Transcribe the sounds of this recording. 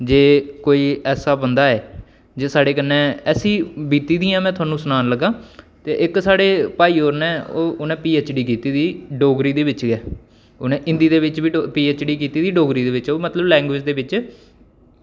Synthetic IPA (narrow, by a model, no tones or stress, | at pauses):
d͡ʒeːkoːiːɛːsaːbənd̪aːɛː | d͡ʒeːsaːɽeːkənːẽːɛːsĩːbiːt̪iːd̪ĩːãːmɛ̃ːt̪ʰʊaːnũːsʊnaːnləɡːãːt̪eːʔɪksaːɽeːpaːiːoːɾnẽːoːʊnẽːpiːeːt͡ʃɖiːkiːt̪iːd̪iːɖoːɡɾiːd̪eːʋɪt͡ʃɡɛː | oːnẽːʔɪ̃nd̪iːd̪eːʋɪt͡ʃʋiːpiːeːt͡ʃɖiːkiːt̪iːd̪iːɖoːɡɾiːd̪eːʋɪt͡ʃoːmət̪ləblɛ̃ːŋɡʋɪːd͡ʒd̪eːʋɪt͡ʃ